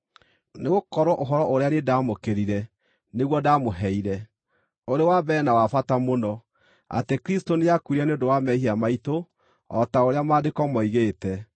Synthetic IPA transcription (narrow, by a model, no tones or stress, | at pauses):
neɣokɔɾwɔʔoɦɔɾɔʔoɾeanedaːmokeɾiɾɛ | neɣwɔdamoɦɛiɾɛ | oɾewabɛnawafatamonɔ | a̰tekɾistonejakuɾianeodowamɛhiamaito | ɔtaoɾeamaːdekɔmɔiɣeːtɛ